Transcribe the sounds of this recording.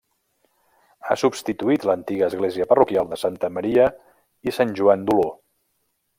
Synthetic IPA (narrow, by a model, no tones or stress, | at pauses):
a̰subst̪it̪uit̪lənt̪iɣəːzɣleziəpərukialˠd̪əsant̪əməɾiə | isanʲʒuand̪ulo